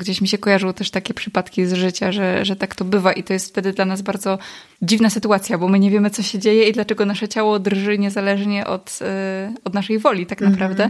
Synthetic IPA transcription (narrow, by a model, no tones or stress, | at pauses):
ɡd͡ʑeɕmʲiɕɛkɔjaʐɨwɔt̪ɛʂt̪akʲɛpʂɘpat̪kʲizʐɘt͡ɕaʐɛʐɛt̪akt̪ɔbɘvaʔit̪ɔjɛst̪ft̪ɛd̪ɘd̪lanazbaɾd̪zɔ | d͡ʑivnasɘt̪uat̪sʲjabɔmɘɲɛvʲjemɘt̪sɔɕed͡ʑejɛid̪lat͡ʂɛɡɔnaʂɛt͡ɕawɔd̪ɾʐɘɲɛzalɛʐɲɛʔɔ̰t̪ | ɔd̪naʂɛjvɔlʲit̪aknapɾavd̪ɛ